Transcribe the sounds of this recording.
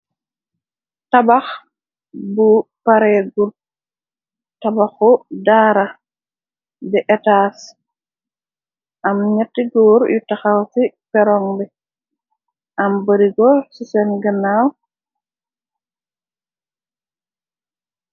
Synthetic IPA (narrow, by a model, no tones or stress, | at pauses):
tabax | bupaɾɛɡul | tabaxɔdaːɾa | bɛʔɛtaːs | ʔɐmɲatːiɡɔːɾjutaxawsipɛɾɔŋbɛ | ʔɐmbəɾiɡɔsisɛnɡɐnaw